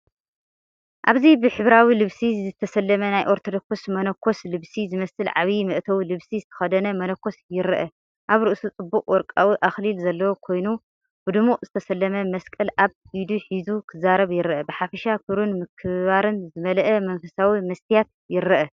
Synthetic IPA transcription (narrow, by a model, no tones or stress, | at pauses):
ʔaβzibɨħɨβɾawilɨβsizɨt̪ʰɐsɐlːɐmɐnajʔoɾt̪ʰod̪okʰosmɐnɐkʰːo̞slɨβsizɨmɐsɨlʕa̰βimɨʔt̪ʰɐwlɨβsizɨt̪ʰɐ̥xɐd̪ɐnɐmɐnɐkʰːo̞sjɪɾɐʔɐ | ʔaβɾɨʔɨsut͡sʼɨbːukʼwɔɾkʼawiʔaxlilzɐlːɐwokʰo̞jnu | b̥ɨd̪ɨmuzɨt̪ʰɐsɐlːɐmɐmɐskʼɐlʔaβ | id̪uħizukʰɨzaɾɐβjɪɾʔɐbɨħafɐʃakʰɨɾunmɨkʰɨβaɾɨnzɨmɐlɐʔɐmɐnfɐsawimɐst̪ʰijat̪̚ | jɪɾɐʔɐ